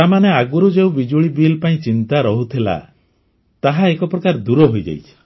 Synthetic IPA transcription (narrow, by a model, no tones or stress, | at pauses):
amaneaɡuɾud͡ʒeũbid͡ʒuɭibilpaĩt͡ʃint̪aɾɔɦut̪ʰila̰ | t̪aɦaekɔpɾɔkaɾd̪uɾɔɦojd͡ʒa̰jt͡ʃʰɔ̥